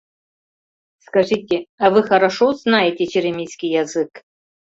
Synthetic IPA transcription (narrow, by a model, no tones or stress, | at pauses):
skɐʐɨtʲeɐvɨxɐɾɐʂoznajetʲet͡ʃɪɾʲɐmʲijskʲijɐzɨk